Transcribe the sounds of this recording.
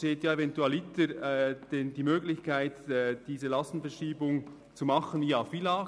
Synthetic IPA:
teːtjaːevɛntuɛlɪtəd̥ɛndiːmøːɡlɪçkaɪtːd̥iːzəlɑstn̩fɛʁʃiːbʊŋ | t͡sumɑχənjaːfilaː

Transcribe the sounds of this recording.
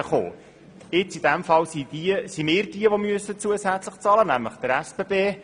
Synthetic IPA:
əχo̰ː | ɪt͡sid̥æmfɑlsidisimɪːɾdiəʋomyəsət͡suəsæt͡sləχt͡sɑlənæmləχd̥əɾæspebeː

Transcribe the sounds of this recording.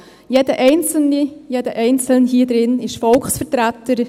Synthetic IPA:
jeːdəʔɛɪnt͡sl̩nijeːdəʔɛɪnt͡sl̩nɦiːdɾɪnɪʃfɔlksfəɾtɾatəɾ

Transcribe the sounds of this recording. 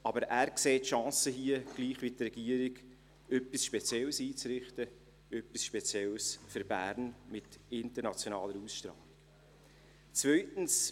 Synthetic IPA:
ɑbəɾæːɾkseːtʃɑ̃ːsəɦiəɡ̥liːχʋitrɛɡ̥iəɾɪɡ | œpisʃpɛt͡sjɛlsiːt͡sɾɪχtə | œpisʃpɛt͡sjɛlsfʏɾbæːɾnmɪtɪntəɾnɑt͡sjonɑːləɾusʃtɾɑ̰ːlɪɡ̥ | t͡svœʏtn̩s

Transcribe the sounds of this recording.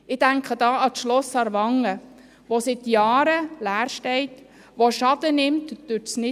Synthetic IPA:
ɪd̥æŋkχədɑːɑtʃlɔsɑɾʋɑŋə | ʋosɪt̪jɑːɾəlæːɾʃtɛɪt | ʋoʃɑd̥ənɪmtd̥øɾtsnɪ

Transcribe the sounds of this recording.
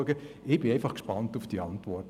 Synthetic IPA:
əɡəʔɪb̥ɪeɪfɑχkʃpɑntufd̥iɑntvɔrt

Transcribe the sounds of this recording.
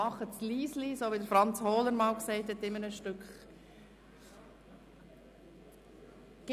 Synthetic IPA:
ɑχətsliːslisoːʋidəɾfɾɑnt͡shoːləɾmɑːlksɛɪthɛtɪmənəʃtʏkχ | ɡ̥

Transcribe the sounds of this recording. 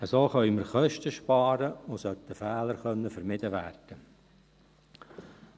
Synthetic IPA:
əsoːχœʏməɾχœʃtəʃpɑːɾəʊsœt̪əfæːləɾχœnːəfəɾmɪd̥əʋæːrd̥ə

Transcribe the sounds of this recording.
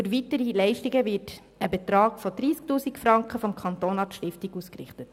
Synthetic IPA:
fyɾʋitəɾilɛɪʃtiɡəvɪt | əbɛt̪ɾɑːɡ̥fɔd̥̪ɾiːsktuːsikfɾɑŋkχəfɔmkʰχɑnt̪oːnɑtʃtɪftiɡuskrɪ̰χtət

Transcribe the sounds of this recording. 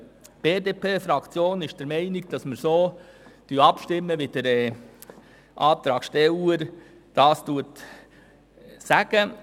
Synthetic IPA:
b̥eːdeːpʰeːfɾɑkt͡sjoːnɪʃd̥əɾmɛɪnɪɡd̥ɑsməɾsoːd̥yɑpʃtɪmːəʋɪd̥əɾɛ | ʔɑːt̪ɾɑːkʃtɛuːəɾ | d̥ɑːstuət | sæɡ̥ə

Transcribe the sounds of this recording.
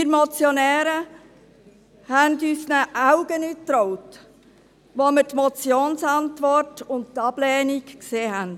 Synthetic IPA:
ɪɾmɔt͡sjonɛːɾə | hændyːsnəʔaʊɡ̥ənyt̪ɾɔwt | ʋomɪɾtmɔt͡sjoːnsɑntʋɔrtʊnt̚tɑb̥lɛːnikkseːɦɛnd

